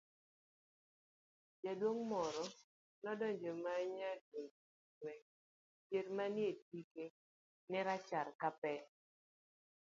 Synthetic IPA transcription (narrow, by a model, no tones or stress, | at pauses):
d͡ʒadwoŋmɔɾɔ | nɔdɔɲd͡ʒɔmaɲade | wɛŋ | t͡ʃeɾmanjet̚ike | nɛɾat͡ʃaɾkapɛ